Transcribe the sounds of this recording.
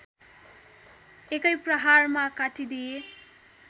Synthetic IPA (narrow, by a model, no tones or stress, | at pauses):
ekajpɾʌɦaɾmakatid̪e